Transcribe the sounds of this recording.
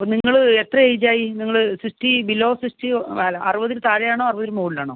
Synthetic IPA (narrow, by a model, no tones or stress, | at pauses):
pːoniŋːɐɭet̪rɐejd͡ʑaːjiniŋːɐɭɨsiʂʈibiloːsiʂʈialɐrɨʋɐðiɾut̪aːɻɐjaːɳoːɐruʋɐðiɾumoːɽilaːɳoː